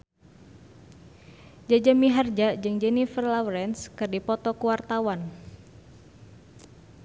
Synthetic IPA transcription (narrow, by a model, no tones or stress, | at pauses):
d͡ʒad͡ʒamiɦard͡ʒad͡ʒɨŋd͡ʒɛnifərlawɾɛnskɨrdipɔt̪ɔkuwart̪awan